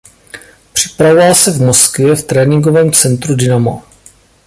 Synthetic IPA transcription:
pr̝̥ɪ̥pɾavovalsɛvmoskvɪjɛft̪ɾɛːnɪŋɡovɛːmt͡sɛnt̪ɾudɪnamo̰

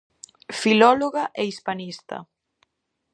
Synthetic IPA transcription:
filɔloɣaʔɛispanist̪ɐ̰

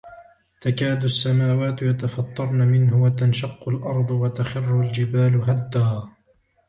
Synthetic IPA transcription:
t̪akaːd̪ʊsːamaːwaːt̪jat̪afɑt̪ˤːɑɾˤnamɪnɦʊwat̪anʃɑqːʊlʔɑɾˤd̪ˤwat̪axɪrːʊld͡ʒɪbaːlɦad̪ːaaː

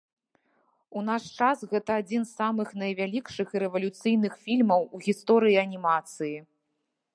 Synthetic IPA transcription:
unaʂt͡ʂasɣɛt̪ɐad͡zʲinsːamɨxnɐjvʲalʲikʂɨxɨɾɛvɐlʲut̪sɨjnɨxfʲilʲmɐwuɣʲist̪ɔɾɨjiɐnʲimat̪sɨji

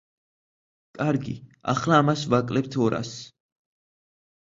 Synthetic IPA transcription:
kʼaɾɡḭa̰χlaːmasvakʼlɛp̚t̪ʰɔɾa̰s

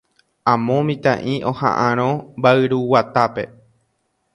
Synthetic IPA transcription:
ãmõmĩt̪ã̰ʔĩʔõ̞hã̰ʔãɾ̃õmbaɨɾuwat̪ape̞

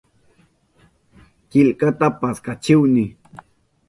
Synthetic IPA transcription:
kɪlkat̪apaskat͡ʃɪwnɪ

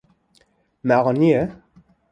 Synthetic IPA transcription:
maʁɔniə

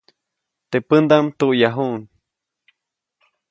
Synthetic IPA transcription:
t̪eʔpənd̪amt̪uʔjaɦuʔn

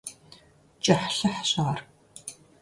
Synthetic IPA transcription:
t͡ʃʼɐħɬɐħḁɕɐʁɐr

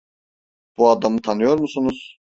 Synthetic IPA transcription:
b̥uad̪amɯt̪ʰanɯjo̞ɾmusunuz̥

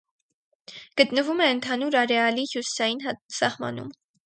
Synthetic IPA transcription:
ɡ̥ət̪nəvumɛənt̪ʰɑnuɾɑɾɛɑlihjusi̥sɑjinsɑhmɑ̰nṵm

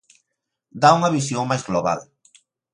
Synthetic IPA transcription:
d̪auŋɐβisjoŋmajzɣloβa̰l

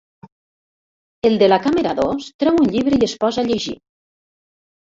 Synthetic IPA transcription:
elˠd̪elakameɾaðost̪ɾɛwunʎiβ̞ɾeiespɔzaʎeʒḭ

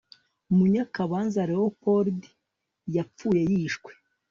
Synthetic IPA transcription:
muɲakaβaːnzaɾewopoɾdi̥ | jap͡fuːje̞jiːʃkwe

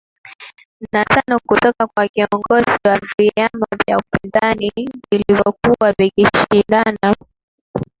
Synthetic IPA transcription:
natanɔkutɔkakwakiɔŋɡɔziwaviamavja̰upinzanivilivɔkuwavikiʃinɡana

